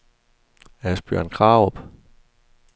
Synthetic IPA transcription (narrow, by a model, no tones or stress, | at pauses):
æsb̥ø̰ɐ̰nkʰʁɑ̈ːʊɔb̥